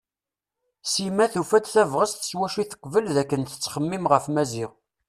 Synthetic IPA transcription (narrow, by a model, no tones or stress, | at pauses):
simæθufæd̪θævʁəstθə̥swæʃiθə̥qːvəlðækːənt̪ə̥t͡sːχəmːimʁəfmæziʁ